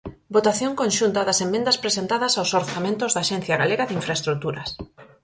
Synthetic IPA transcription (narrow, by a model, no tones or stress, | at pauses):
bot̪aθjõŋkõnʃunt̪ɐðɐsemːẽnd̪ɐspɾesent̪aðɐsawsoɾθamẽnt̪ʊzðaːʃen̟θjaɣaleɣaðɪiɱfɾaest̪ɾut̪uɾɐs